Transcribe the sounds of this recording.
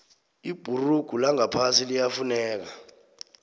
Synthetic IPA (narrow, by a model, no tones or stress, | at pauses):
ib̥ʱuruɡ̥ʱulaŋapʰasilijafunɛːk̬a